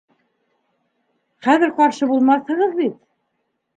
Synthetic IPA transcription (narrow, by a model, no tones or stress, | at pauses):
χæðɘɾqɑɾʃɤbulˠmɑθhɤ̆ʁɤðbit̪̚